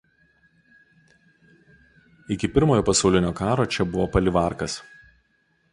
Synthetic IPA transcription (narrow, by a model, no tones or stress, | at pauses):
ɪkʲɪpʲɪɾmoːjoːpɐsɐʊlʲɪnʲoːkɑːɾoːt͡ʃʲɛbʊʋoːpɐlʲɪʋɑˑɾkɐs